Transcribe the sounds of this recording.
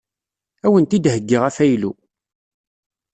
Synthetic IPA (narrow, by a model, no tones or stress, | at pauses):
æwənt̪id̪ɦəɡːiʁæfæjlu